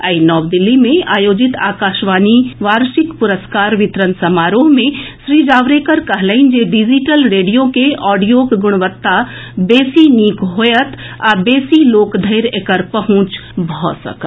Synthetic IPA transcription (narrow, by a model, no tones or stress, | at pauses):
əinɔːʋd̪ɪlːimẽaːjoːd͡ʒɪt̪aːkaːʃʋaːniʋaːɾʃɪkpʊɾəskaːɾʋɪt̪ɾənsɐmaːɾoːɦmẽʃɾiːd͡ʒaːʋɾekəɾkɐɦləɪnd͡ʒeɖɪd͡ʒiʈəlɾeːɖijokeɔːɖijoːkɡʊɽ̃ʋət̪ːabeːsiniːkɦoːjət̪ | abeːsiloːkd̪ʱəɪɾekəɾpɐɦʊ̃t͡ʃbʱɔ̰ːsə̰k̪